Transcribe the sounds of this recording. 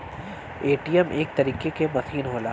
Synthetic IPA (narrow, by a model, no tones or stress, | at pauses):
eːʈiːɛmʔḛːk̚t̪ɐɾiːkekemɐsiːnɦoːlaː